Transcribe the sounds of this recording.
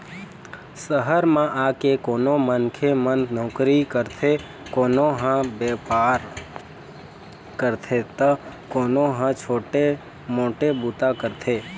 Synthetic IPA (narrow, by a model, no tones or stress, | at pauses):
səɦəɾmãʔaːkekoːnomənkʰemənnɔːkɾikəɾt̪ʰe | koːnoɦãbeːpaːɾ | kəɾt̪ʰet̪əkoːnoɦãt͡ʃʰoːʈe | mõːʈebuːt̪akəɾt̪ʰeː